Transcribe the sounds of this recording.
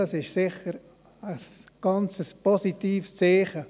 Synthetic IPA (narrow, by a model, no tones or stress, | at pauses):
ɑsɪʃsɪχəɾ | əsɡ̥ɑnt͡səsposit̪iːfst͡seːχə